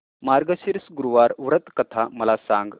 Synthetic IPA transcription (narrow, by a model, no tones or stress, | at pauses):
maɾɡəɕiɾsɡuɾuʋaɾʋɾət̪kət̪ʰaməlasãŋɡ